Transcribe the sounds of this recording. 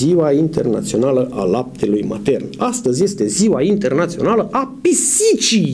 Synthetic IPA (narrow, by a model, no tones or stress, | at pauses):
iwaint̪e̞rna̰t̪sio̞naləʔalap̚t̪ʰe̞lujma̰t̪e̞rnast̪əzʲje̞st̪e̞ziwaint̪e̞rnat̪sio̞naləʔapisit͡ʃij